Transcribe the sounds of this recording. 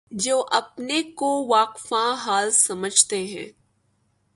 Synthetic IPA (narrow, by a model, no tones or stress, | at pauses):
d͡ʒoːʔɐpnekoʋaːqfãɦaːlsɐməd͡ʒʱt̪eɦɛ̰̃ː